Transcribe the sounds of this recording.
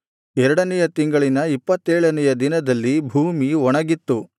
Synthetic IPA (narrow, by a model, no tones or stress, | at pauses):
ɛɾɐɽɐnɛjɐt̪iŋɡɐɭinɐipːɐt̪ːeːɭɐnɛjɐd̪inɐd̪ɐlːibʱuːmiɔɳɐɡit̪ːu